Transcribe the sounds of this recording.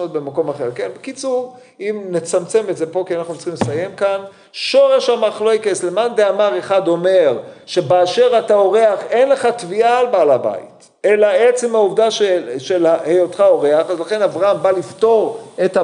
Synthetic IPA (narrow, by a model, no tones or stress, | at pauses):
ot̚be̞mako̞maχe̞ʁke̞nbekit͡suʁ | imnet͡samt͡se̞metze̞po̞kianaχnut͡si̥χimlesaje̞mkan | ʃo̞ʁe̞ʃamaχloekeslemandeamaʁeχado̞me̞ʁʃe̞beaʃe̞ʁatao̞ʁe̞aχenle̞χatvialbealaba̰ḭt | e̞laet͡semhauvdaʃeʃelahejotχao̞ʁe̞aχazlaχe̞navʁaambalifto̞ʁeta